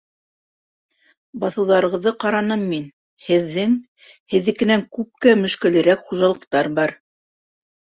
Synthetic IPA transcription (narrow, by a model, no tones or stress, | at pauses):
bɑθɤ̆wðɑɾɤ̆ʁɤ̆ðːɤqɑɾɑnɤmːin | hɘ̆ðːɘŋ | hɘ̆ðːɘ̆kɘ̆næŋkʉp̚kæmɵ̆ʃkɘ̆lɘ̆ɾækχuʒɑlˠɤ̆qt̪ɑɾbɑɾ